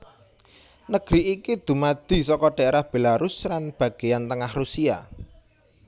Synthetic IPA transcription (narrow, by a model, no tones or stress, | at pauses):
nəɡ̥ɾiʔikid̪̥ṳmad̪̥i̤sɔkɔɖ̥aɾahb̥e̤laɾuslanb̥a̤ɡ̥ejant̪əŋahrusia̰